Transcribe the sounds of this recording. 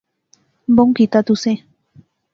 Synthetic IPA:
mboŋkit̪at̪use

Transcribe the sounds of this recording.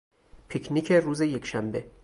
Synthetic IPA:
pʰicʰnikʰeruːzeje̞kʰʃæmbe

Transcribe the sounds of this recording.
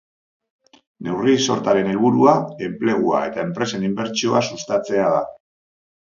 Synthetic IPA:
ne̞wriso̞ɾt̪aɾe̞ne̞lβuɾuae̞mple̞ɣ̞ua̰e̞t̪ae̞mpɾe̞se̞nimbe̞ɾt͡ʃio̞asust̪at͡se̞aða

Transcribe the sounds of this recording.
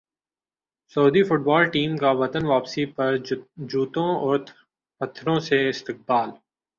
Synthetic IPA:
sɐːd̪ifʊʈ̚baːlʈiːmkaʋɐt̪ənʋaːpsipɐɾd͡ʒuːt̪õɔːɾt̪ | pɐt̪ʰːɾõseɪst̪ɪq̚baːl

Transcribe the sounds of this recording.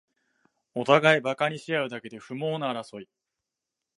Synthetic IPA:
o̞t̪aɡaibakaɲ̟iɕijaɯ̟d̪ake̞d̪e̞ɸɯ̟mo̞ːnaaːɾaso̞i

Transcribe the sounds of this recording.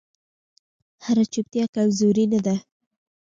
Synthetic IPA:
haɾat͡ʃup̚t̪jɑkawzuɾinad̪a

